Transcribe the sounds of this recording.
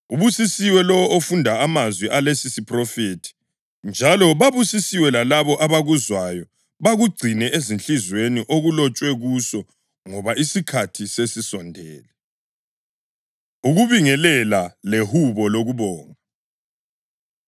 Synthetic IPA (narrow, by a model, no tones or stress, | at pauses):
uβusisiwɛlɔwɔofundʱaamazwiʔalesisipʰʼrɔfetʰi̥ | nd͡ʒʱalɔβaβusisiwɛlalaβɔʔaβaɣuzwajɔ | βaɣuɡ͡ǀʱinɛʔezint͡ɬizweniʔoɣulɔt͡ʃʼwɛɣusɔ | ŋɔβaisikʰatʰisesisɔndʱɛːlɛ | uɣuβiŋɛlɛlalehuβɔloɣuβɔːŋa